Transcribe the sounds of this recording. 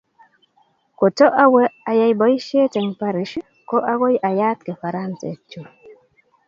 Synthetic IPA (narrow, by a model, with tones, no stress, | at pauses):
ko˨tɔ˦ʔa˦wɛ˦a˨ja˨jbɔ˨ji˦ʃe˦tɛ˨ŋpa˦ɾi˨˦ʃ | kɔ˦ʔa˦ɡo˦jʔa˨ja˦t̪̚kɛ˨fa˨ɾa˦nsɛ̰˨t͡ʃu˨